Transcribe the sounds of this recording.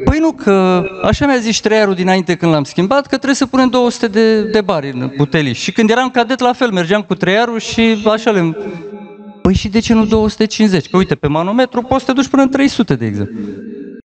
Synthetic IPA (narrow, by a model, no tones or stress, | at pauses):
pəjnukʰəaʃamjazisʲt̪ɾejaɾud̪inaint̪e̞kɨnd̪lamskʲimbat̪kət̪ɾejsəpune̞md̪o̞wəsu̥t̪e̞d̪ed̪e̞baɾʲɨnbut̪e̞lḭʃʃikɨnd̪jeɾamkad̪et̪lafe̞lme̞rd͡ʒeamkut̪ɾejaɾuʃiaʃalem | pəjʃid̪e̞t͡ʃe̞nud̪o̞wəsu̥t̪et͡ʃinze̞t͡ʃʲkəujt̪e̞pe̞manome̞t̪ɾupost̪e̞d̪ut͡ʃʲpɨnəɨnt̪ɾe̞jsut̪e̞d̪e̞ːɡzḛmplu